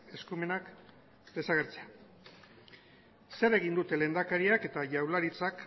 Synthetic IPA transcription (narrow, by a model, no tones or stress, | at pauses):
e̞skume̞nak | d̪e̞saɣ̞e̞ɾt͡se̞a | se̞ɾe̞ɣ̞ind̪ut̪e̞le̞ːnd̪akaɾiake̞t̪aʝawlaɾit͡sak